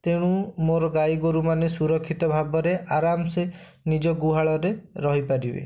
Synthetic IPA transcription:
t̪eɽ̃ũmoɾɔɡajɡoɾumanesuɾɔkʰːit̪ɔbʱabɔɾeʔaɾamse | nid͡ʒɔɡuɦaɭɔɾeɾɔɦipaɾibḛ

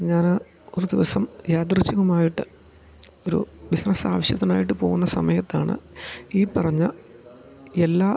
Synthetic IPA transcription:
ɲaːn | o̞ɾud̪iʋɐsɐmjaːt̪̬rɨt͡ɕːɐɣumaːjiʈːɨ | o̞ɾṵbisnɐsaːʋɐɕjɐt̪ːinaːjiʈ̬ːɨpo̞ːɣunːɐsɐmɐjɐt̪ːaːɳɨ̰iːpɐrɐɲːɐ | e̞lːaː

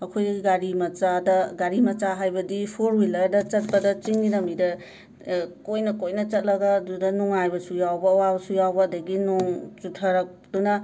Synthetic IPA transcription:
ɐkʰojɡaɾimɐt͡ʃadɐɡaɾimɐt͡ʃaɦajbɐdipʰoɾwilɐɾdɐt͡ʃɐt̚pɐdɐt͡ʃiŋdiɾɐmidɐ | kojnɐkojnɐt͡ʃɐt̚lɐɡɐdudɐnuŋajbɐsujawbɐwabɐsujawbɐːdɐɡinuŋt͡ʃutʰɐɾɐk̚d̥unɐ

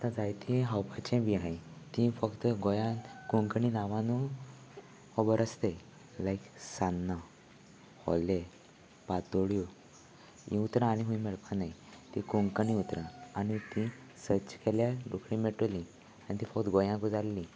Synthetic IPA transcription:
at̪ãd͡zajt̪ʰĩɦawpat͡ɕẽʋiɦãjt̪ĩfəkt̪əɡojãkuŋkəɳinaʋãnu | hɔbəɾəst̪e | laiksanːa | hɔ̰le | pat̪oɽjo | ḭ̃ut̪ɾãːɽ̃iɦũĩmɛɭpanajt̪ĩkuŋkəniut̪ɾãanit̪ĩ | sət͡ɕkɛljaɖukʰɽĩmeʈolĩ | anit̪ĩfəkt̪ɡojãkud͡zalːi

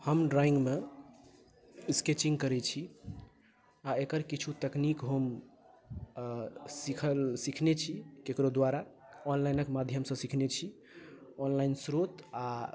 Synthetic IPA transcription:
həmɖɾaĩŋɡme | isket͡ʃĩŋɡkəɾɛt͡ʃʰi | aekəɾkit͡ʃʰut̪əknikɦom | sikʰəlsikʰnet͡ʃʰikekɾod̪waɾa | ɔnlajnəkmad̪ʱjəmsə̃sikʰnet͡ʃʰi | ɔnlainsɾot̪a

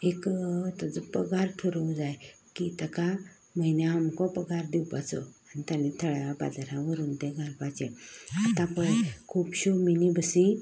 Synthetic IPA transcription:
ekt̪əd͡zəpəɡaɾʈʰoɾəwd͡zaj | kit̪əka | məɦinjaɦəmkɔpəɡʱaɾd̪iwpat͡sɔ̰anit̪ãnit̪ʰəɭapa̰d̪ɾãʋəɾuːnt̪ẽɡʱaɾpat͡ɕẽat̪ãpəɭkʰuːpɕominibəsi

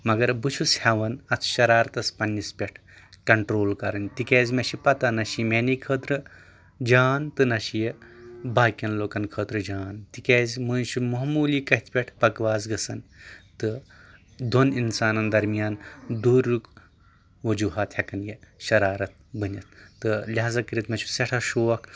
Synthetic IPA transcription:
mɐɡɐɾbɨt͡ʃʰushʲɐʋɐnɐt̪ʰʃɐɾaːɾɐt̪ɐspɐnːispʲeʈʰ | kɐɳʈɾoːlkɐɾɐnt̪ikʲeːzʲmɐʃipɐt̪ɐnɐʃimenikʰəːt̪ɾɨ | d͡ʒaːnt̪ɨnɐʃijebaːkʲjɐnloːkɐnkʰəːt̪ɾɨd͡ʒaːnt̪ikʲeːzʲmɨːnʃimɐɦmuːliːkɐɦit̪ʰpʲeʈʰpɐkʋaːzɡɐsɐnt̪ɨ | d̪oninsaːnɐnd̪ɐɾmijaːnd̪uːɾːuk | ʋɐd͡ʒuːɦaːt̪hʲɐkɐnjeʃɐɾaːɾɐt̪̚bɨnʲɐt̪̚ːɨlʲaːzɐkəɾʲit̪mɐʃʰi̥sɐʈʰɐʃoːɐk

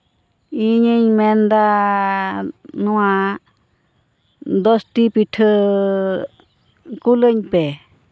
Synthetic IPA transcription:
iɲəɲmɛnd̪a | nɔwa | d̪ɔsʈipiʈʰɯ | kuləɲpe

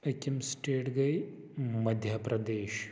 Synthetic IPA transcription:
ɐkimsʈeːʈɡɐj | mɐd̪ʱjɐpɾɐd̪eːʃ

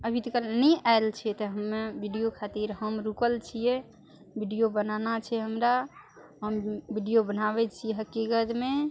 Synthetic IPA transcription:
əbʱit̪kəlnɛaelt͡ʃʰɛt̪ɔɦəmːebʱiɖijokʰat̪iɾɦəmɾukəlt͡ʃʰije | bʱiɖijobənanat͡ʃʰɛɦəmɾa | ɦəmbiɖijobənabɛt͡ʃʰijeɦəkikət̪me

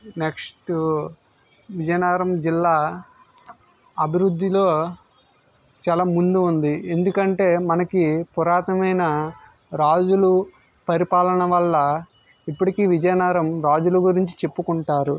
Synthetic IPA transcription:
neksʈ | ʋid͡ʒɐjɐnaːɾɐmd͡ʒilːaː | ɐbʱiɾud̪ʱːilo̞ː | t͡ʃaːlaːmund̪uːnd̪ie̞nd̪ukɐɳʈe̞ːmɐnɐkipuɾaːt̪ɐmɐjnɐ | ɾaːd͡ʒulu | pɐɾipaːlɐnɐʋɐlːɐ | ipːuʈikiːʋid͡ʒɐjɐnaːɾɐmɾaːd͡ʒuluɡuɾiɲt͡ʃi̥t͡ʃe̞pːukuɳʈaːɾu

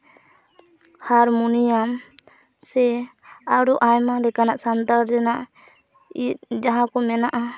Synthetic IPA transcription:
haɾmunijam | sɛ | aɽɔʔajmaɾɛkanaʔsand̪aɾɾɛnaʔ | it̪̚d͡ʒaɦãkɔmɛnaʔa

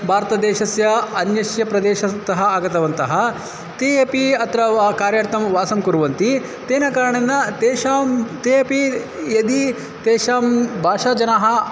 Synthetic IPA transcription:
bʱaːɾt̪ɐd̪eːʃɐsjɐɐnjɐsjɐpɾɐd̪eːʃɐt̪ɐɦɐaːɡɐt̪ɐʋɐnt̪ɐɦɐ | t̪eeːpiɐt̪ɾɐʋkaːɾjɐɾt̪ɐmʋaːsɐmkuɾuʋɐnt̪i | t̪eːnɐkaːɾɐɳɐnːɐt̪eːʃaːmt̪eeːpijɐd̪i | t̪eːʃaːmbʱaːʂaːd͡ʒɐnaɦɐ

